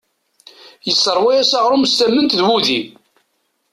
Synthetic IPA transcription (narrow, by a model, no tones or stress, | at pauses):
jəsˤːəɾˤwæjæsaʁɾˤumst̪æmːənt̪ðwuði